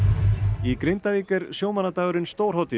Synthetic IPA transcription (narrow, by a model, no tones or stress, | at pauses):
ikɾɪnt̪aviːkɛɾ̥sjowmanat̪aːɣʏɾʏnst̪oːwɾ̥ɦaːwt̪ɪ